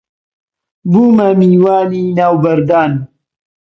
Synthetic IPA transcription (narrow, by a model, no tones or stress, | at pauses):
buːmamiːwaːninaːwbɐɾd̪aːn